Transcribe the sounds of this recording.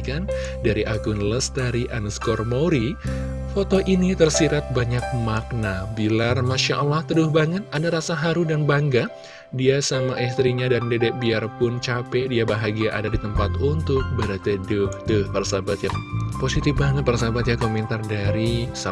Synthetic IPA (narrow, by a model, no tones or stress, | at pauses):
kan | daɾiʔaɡʊnləst̪aɾiʔanəskɔrmoɾifot̪oʔinit̪ərsiɾat̪̚baɲak̚mak̚nabilarmaʃaʔalaht̪ədʊhbaŋət̪̚adaɾasaɦaɾudanbaŋɡa | diasamaʔɛst̪ɾiɲadandedɛʔ̚biarpʊnt͡ʃapɛdiabaɦaɡiaʔadadit̪əmpat̪unt̪ʊk̚bəɾat̪idʊht̪ʊhpərsabat̪̚japosit̪ɪfbaŋət̪̚pərsabat̪̚jakomɛnt̪ardaɾisa